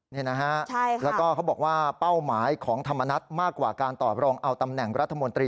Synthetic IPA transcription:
ni˥˩˨na˦˥ka˦˥t͡ɕʰa˥lɛː˦˥wkɔː˥kʰa˦˥wbɔː˨˩k̚waː˥˩pa˥˩wmaː˩˦jkʰɔː˩˦ŋt̪ʰa˧mːa˧na˦˥t̪̚maː˥˩kːwa̰ː˨˩kaː˧nt̪ɔː˨˩p̚ɾɔː˧ŋʔa˧wt̪a˧mnɛ˨˩ŋɾa˦˥t̪ʰːa˧mo˧nt̪ɾiː˧

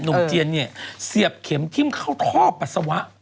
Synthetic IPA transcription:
nu˨˦t͡ɕi˧ənːi˧˩ɐsi˨˩əp̚kʰe˩˦mt̪ʰi˧˥˩mkʰa˥˩wt̪ʰɔː˥˩pːa˨˩sa˧wa˦˥ʔ

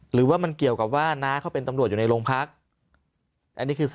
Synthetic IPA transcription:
ɾɯː˩˦waː˥˩ma˧nki˨˩əwka˨˩p̚waː˥˩naː˦˥kʰa˦˥˩wpe˧nt̪a˧mɾt̪̚uː˨˩na˧jloː˧ŋpʰa˦˥k̚ | ʔa˧nːiː˦˥kʰɯː˧

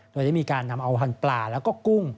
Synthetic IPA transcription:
do˧jda˥˩miː˧kaː˧nːa˧mʔa˧wɦʰa˧nplaː˨˩lɛː˦˥wkɔː˥˩ku˥˩ŋ

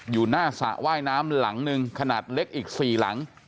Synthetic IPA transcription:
juː˨˩naː˥˩sa̰˨˩ʔwaː˥˩jnaː˦˥mla˩˦ŋnɯ˧ŋkʰa˧naː˨˩t̪̚le˦˥k̚ʔiː˨˩k̚siː˨˩la̰˩˦ŋ

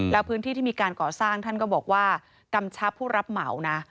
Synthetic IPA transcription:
lɛː˦˥wpʰɯː˦˥nt̪ʰiː˥˩iː˥˩miː˧kaː˧nkɔː˨˩saː˥˩ŋt̪ʰa˥˩nkɔː˥˩bɔː˨˩k̚waː˥˩ | ka˧mt͡ɕʰa˦˥pʰːuː˥˩ɾa˦˥p̚ma˩˦wna˦˥

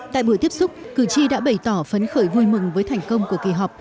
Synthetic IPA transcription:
t̪a̰ː˧˨jɓu˧˩ət̪i˦˥əp̚sʊ˦˥k͡p̚kɨ˧˩t͡ɕi˧ɗa̰ː˧˥ɓə˧˩jt̪ɔ˧˩fə˨˦nxəː˧˩jvu˧jmɨ˨˩ŋvəː˨˦jt̪ʰɛ˨˩jŋ̟kə˧wŋ͡mku˧˩əkḭ˧˩ɦɔ˨˩wk͡p̚

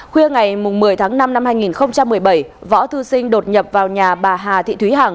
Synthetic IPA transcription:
xwi˧əŋa˨˩jmʊ˨˩ŋ͡mmɨ˨˩əjt̪ʰaː˨˦ŋna˧mna˧mhaː˧jŋi˨˩nxə˧wŋ͡mt͡ɕa˧mːɨ˨˩əjɓə˧˩jvɔ̰˧˥t̪ʰɨ˧sï˧ŋ̟ɗo˨˩t̚ɲə˨˩p̚vaː˨˩wɲaː˨˩ɓaː˨˩ɦaː˨˩t̪ʰḭ˧˨t̪ʰwi˨˦ɦaː˨˩ŋ

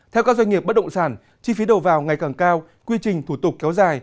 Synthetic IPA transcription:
t̪ʰɛ˧wkaː˦˥k̚za˧ŋŋi˨˩əp̚ɓ̚ɗə̰˧˨ŋ͡msaː˧˩n | t͡ɕi˧fi˨˦ɗo˨˩vaː˨˩wŋa˨˩jkaː˨˩ŋkaː˧w | kwi˧t͡ɕï˨˩ŋ̟t̪ʰu˧˩t̪ʊ˨˩k͡p̚kːɛ˨˦wzaː˨˩j

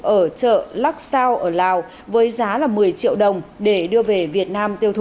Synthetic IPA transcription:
ʔəː˧˩t͡ɕə̰ː˧˨la˦˥k̚saː˧wʔəː˧˩laː˨˩w | vəː˨˦jzaː˨˦laː˨˩mɨ˨˩əjt͡ɕḭ˧˨əwɗə˨˩wŋ͡mɗe˧˩ɗɨ˧əve˨˩vi˨˩ət̚naː˧mt̪i˧əwt̪ʰ

